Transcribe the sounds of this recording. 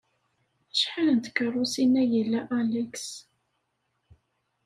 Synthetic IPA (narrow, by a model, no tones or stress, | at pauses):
əʃħalənt̪ə̥kːərˤːosinːæjəlːæʔæləks